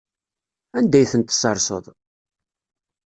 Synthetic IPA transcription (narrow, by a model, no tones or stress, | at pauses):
ænd̪æjθənt̪sɑɾˤsə̰ðˤ